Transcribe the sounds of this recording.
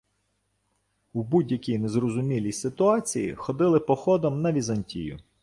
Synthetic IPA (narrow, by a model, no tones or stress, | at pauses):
ubudʲjɐkʲijnezrɔzʊmʲilʲijsɪt̪ʊɑt͡sʲijḭxɔd̪ɪlˠɪpɔxɔd̪ɔmnɐʋʲizɐnʲtʲḭjʊ̰